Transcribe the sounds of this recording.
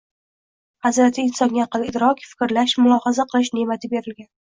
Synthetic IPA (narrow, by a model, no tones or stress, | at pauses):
hazɾat̪ʰɪɪnsɒŋɡʲaqɨlɪd̪ɾɒkʲfɪ̥kʲɾlaʃmʊlˠɒhazaqʰɨlˠɪʃ̬ne̞mat̪ʰɪbe̞ɾɪlɡʲan